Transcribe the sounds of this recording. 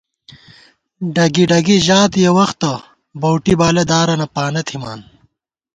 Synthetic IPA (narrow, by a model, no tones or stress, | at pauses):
ɖɐɡiɖɐɡiʑaːt̪jewɐxt̪ɐ | bɐwʈibaːlɐd̪aːɾɐnɐpaːnɐt̪ʰimaːn